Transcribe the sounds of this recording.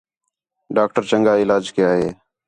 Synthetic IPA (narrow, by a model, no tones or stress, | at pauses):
ɖaːk̚ʈəɾt͡ʃəŋɡaːɪlaːd͡ʒkɪjaːɦeː